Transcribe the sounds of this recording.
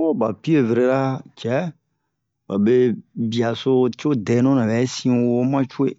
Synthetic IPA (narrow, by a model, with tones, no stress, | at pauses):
wo˦ba˨pi˦e˦˨ve˨ɾe˦ɾa˦t͡ʃɛ˦ | ba̰˨be˦bi˨a˨so˦t͡ʃo˦dɛ˨˦nɔ̃˦nã˨bɛ˨˦sĩ˦wo˧wo˦mã˦t͡ʃu˦e˦˨